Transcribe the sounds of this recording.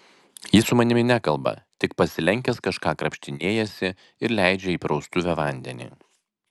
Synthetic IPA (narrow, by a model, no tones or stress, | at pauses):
jisʊmɐnʲɪmʲɪnʲækɐlˠbɐ̰t̪ʲɪk̚pɐsʲɪlʲɛŋʲkʲɛskɐʃkɑːkɾɐpʲʃʲt̪ʲɪnʲeːjɛsʲɪ | ɪɾlʲæɪd͡ʒʲɛiːpɾɒʊst̪ʊʋʲɛʋɐˑnʲd̪ʲɛ̰nʲḭː